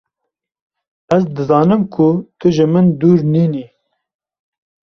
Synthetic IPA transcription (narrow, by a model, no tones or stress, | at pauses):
æzd̪ɨzɑːnɨmkʰʊt̪ʰʊʒɪmɨnd̪uːɾniːniː